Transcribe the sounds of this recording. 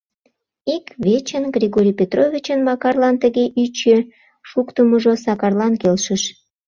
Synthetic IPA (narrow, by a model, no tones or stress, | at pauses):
ikβet͡ɕənɡrʲiɣoɾʲijpʲet̪rovʲit͡ɕənmɑkɑrlɑnt̪əɣeʔyt͡ɕe | ʃukt̪əməʒosɑkɑrlɑnkelʃəʃ